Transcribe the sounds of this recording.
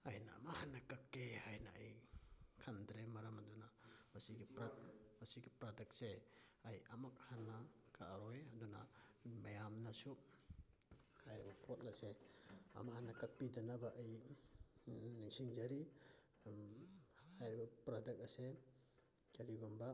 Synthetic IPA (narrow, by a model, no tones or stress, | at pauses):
ajna̰mahanakakːehajnaajkʰandɾemaɾɐmadunamasiɡipɾatmasiɡipɾadak̚seajamak̚hana | kʰaɾɔjaduna̰majamnasu | hajɾibapʰɔt̚lasea̰mahanakak̚pidanabaʔːj | nisiŋd͡ʒaɾi | hajɾbapɾadak̚ase | kaɾiɡɔmba